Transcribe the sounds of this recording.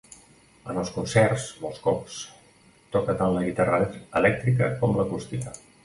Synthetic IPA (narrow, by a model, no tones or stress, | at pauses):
ənəlˠskunsɛrzmolˠskɔps | t̪ɔkət̪anləɣit̪arəəlɛk̚t̪ɾik̬əkɔmləkust̪ilə